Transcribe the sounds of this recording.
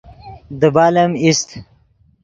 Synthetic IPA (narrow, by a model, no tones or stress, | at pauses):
d̪əbaːlɐmist̪